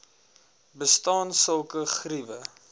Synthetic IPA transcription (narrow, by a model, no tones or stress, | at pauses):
bəstɑːnsəlˠkəχrivə